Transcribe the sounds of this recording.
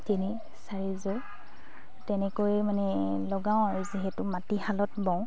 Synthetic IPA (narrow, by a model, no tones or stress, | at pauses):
teni | saɹizɔ | tɛnɛkojmanɛlɔɡaw̃ | ziɦɛtʊmatihalɔtbɔ̃w̃